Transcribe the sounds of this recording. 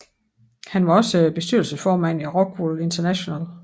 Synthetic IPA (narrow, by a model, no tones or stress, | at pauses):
hænʋɑ̈ɒ̽səb̥e̝sd̥yɐ̰lsəsfɒːmæn̰æʁɒ̽ɡ̥wole̝nt͡sʰɐnæɕo̝næl